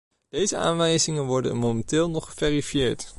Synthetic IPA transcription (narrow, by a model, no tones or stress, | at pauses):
d̥ejzəʔa̰ːnʋɛjzɪŋənʋɔɹdə̰nmomɛntɪːlˠnɔχəvɛrifjɪːɹt